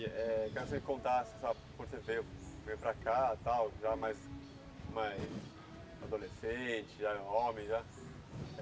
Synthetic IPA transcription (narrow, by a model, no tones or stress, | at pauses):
ɛkɛɾsẽkõnt̪asɪ̥̃sabɪkõ̥sevejʊvejʊpɾakat̪awʒamajz | majs | ad̪olesẽt͡ʃɪʒaomẽj̃ʒa